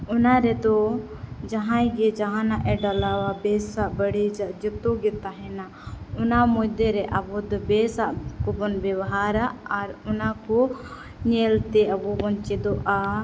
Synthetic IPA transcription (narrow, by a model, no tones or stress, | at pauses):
ɔnaɾɛd̪ɔ | d͡ʒaɦãjɡɛd͡ʒaɦãnaʔɛɖalawabɛsaʔbəɽid͡ʒaʔd͡ʒɔt̪ɔɡɛt̪aɦɛna | ɔnamɔjd̪ɛɾɛʔabɔd̪ɔbɛsaʔkɔbɔnbɛwɦaɾaʔːɾɔnakɔ | ɲɛlt̪ɛabɔbɔnt͡ʃɛd̪ɔʔa